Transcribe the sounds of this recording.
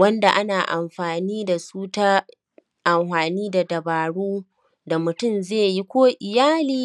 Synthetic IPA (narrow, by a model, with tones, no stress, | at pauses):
wɐ˦nda˨ʔa˦naː˨ʔa˨mɸaː˨niː˦da˨suː˦ta˦ | ʔa˨mɸaː˨niː˦da˨dɐ˨baː˨ɽuː˦ | da˨mʊ˨tʊ˦mzeː˦˨ji˦kʷoː˦ʔɪ˨jaː˦liː˦